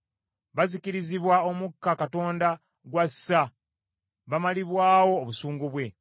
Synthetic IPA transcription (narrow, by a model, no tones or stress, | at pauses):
βazikiɾiziβwaomukːakato̞ːnda | ɡwasːa | βamaliβwaːwo̞ːβusuːŋɡuβwe̞